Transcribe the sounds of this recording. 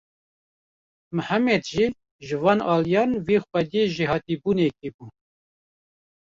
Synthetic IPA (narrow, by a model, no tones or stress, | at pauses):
mɨhæmɛd̪ʒiː | ʒɨvɑːnɑːlijɑːnveːxpɛd̪jeʒihɑːt̪ibuːnekibu